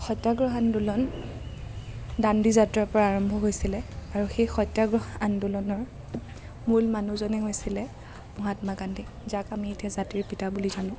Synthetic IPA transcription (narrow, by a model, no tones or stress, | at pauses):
xɔjtːaɡɹɔɦandulɔn | dandizatɹaɹpɔɹaːɹɔmbʱɔɦojsilɛaɹuxejxɔjtːaɡɹɔɦandulɔnɔɹ | mulmanuzɔnɛɦojsilɛ | mɔɦatmaɡandi | zakamietiazatiɹpitabulizanʊ̃